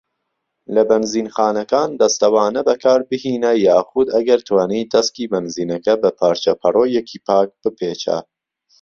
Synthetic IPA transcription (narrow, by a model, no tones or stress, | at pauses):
lɐbɐnziːnxɑːnɐkɑːnd̪ɐst̪ɐwɑːnɐbɐkʰɑːɾbɨhiːnɐjɑːxʊd̪ɐɡɐɾt̪ʰwɑːniːd̪ɐskiːbɐnziːnɐkɐbɐpʰɑːɾt͡ʃɐpʰɐroːjɛkʰiːpʰɑːk̚b̥ɨpʰeːt͡ʃʰɐ̰